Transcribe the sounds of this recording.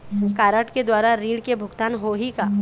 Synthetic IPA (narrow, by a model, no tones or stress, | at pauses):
kaːɾəʈked̪waːɾaɾiːɽkebʱʊɡt̪aːnɦoɦika